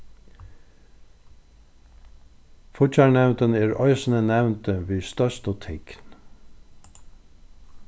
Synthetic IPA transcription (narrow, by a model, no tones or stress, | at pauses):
fʊt͡ʃæɳɛʋnt̪əneːɹœʏsn̩ənæʋnt̪əʋiːst̪œʃt̪oːt̪ʰɪɡ̥n